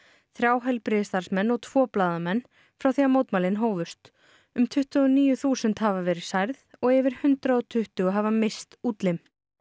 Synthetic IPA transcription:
θɾjaːwɦɛjlpɾɪðst̪aɾ̥smɛnːɔɣt̪ʰv̥ɔːplaːðamɛnː | fɾawθiːɣamoːwt̪malɪnɦoːwvʏst̪ | ʏmt̪ʰʏht̪ʏɣɔniːjʏθuːsɛnt̪havavɛːɾɪ̥sajɾðɔɣɛvɪɾ̥hʏnt̪ɾaɔt̪ʰʏht̪ʏɣʏɦavamɪst̪uːt̪lɪm

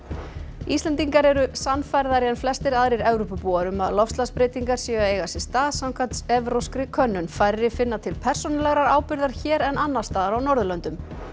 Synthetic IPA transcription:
ist̪ɛnt̪iŋkaɾɛɾʏsanfajɾðaɾjɛnflɛst̪ɪɾaðɾiɾɛvɾopʏpuːaɾʏma̰ðlɔfst̪laspɾejt̪iŋkaɾ̥siɣaeːjɣasɪ̥st̪aːðsawŋkʰat̪sɛvɾowskɾɪkʰœnːʏnfajɾɾɪfɪnːat̪ʰɪlpʰɛr̥sɔnalɛɣɾaɾaːwpɪɾðaɾ̥çɛːɾɛnanːḁst̪aːðaɾawnɔɾðʏlœnt̪ʏm

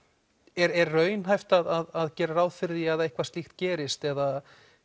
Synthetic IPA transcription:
ɛɾɛɾːœːɥnɦajft̪aðaðaðcɛːɾarawðfɪɾðiaðaehkvast̪lixt̪cɛːɾɪst̪ɛða

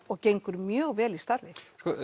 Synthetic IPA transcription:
ɔɣcejŋkʏɾmjœːɣvɛːlist̪aɾvɪskɔ

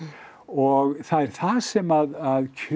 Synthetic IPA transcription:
ɔɣθaðɛɾ̥θaðsɛmaðaðcʰʏ

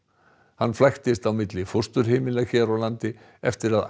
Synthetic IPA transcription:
hanːflajxt̪ɪst̪awmɪt̪lɪfʊ̥st̪ʏɾ̥heːmɪlaçɛːɾawlant̪ɪ | ɛft̪ɪɾað

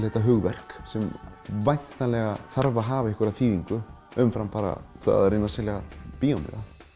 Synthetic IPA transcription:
lθhɛt̪ːaɦʏɣvɛr̥ksɛm | vajnt̪nalɛɣaθaɾvaɦaːvaɪhkʏɾaðθiːðiŋkʏ | ʏmfɾampaːɾa̰θʰa̰ðɾɪnasɛlaɣapiːowmɪ̰ða

